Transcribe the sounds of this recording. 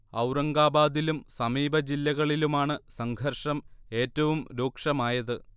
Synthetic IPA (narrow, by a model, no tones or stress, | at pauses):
ɐwɾɐŋɡaːbaːd̪ilumsɐmiːbɐd͡ʑilːɐɣɐɭilumaːɳɨsɐŋɡʱɐrʂɐme̞ːtːɐʋumɾoːkʂɐmaːjɐðɨ